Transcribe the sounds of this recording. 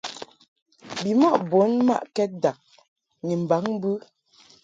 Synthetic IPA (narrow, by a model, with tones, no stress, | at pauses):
bi˨mɔ˦ʔbo˨˦nma̰˦˨ʔkɛ˦t̚da˨k̚ | ŋi˨m̩˨ba˨˦ŋ˦bɯ˦